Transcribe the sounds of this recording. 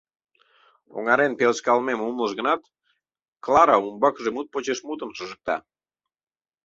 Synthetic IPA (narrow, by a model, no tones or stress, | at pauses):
o̰ŋɑɾenpelskɑlmemumləʃ̬ɣənɑt̪ | klˠɑɾɑumbɑkʒemut̪̚pot͡ɕeʃmut̪ənʃəʒək̚t̪ɑ̰